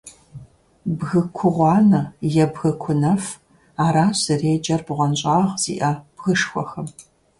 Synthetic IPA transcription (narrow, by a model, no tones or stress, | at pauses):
bɣɨkʷʰʊʁʷɑːnɐjɛbɣɨkʷʰʊnɐf | aːɾaːɕɨreːd͡ʒʼɐrbʁʷɔnɕʼɑːʁz̥ḭːʔɐb̥ɣɨʂxʷɔ̰xɐm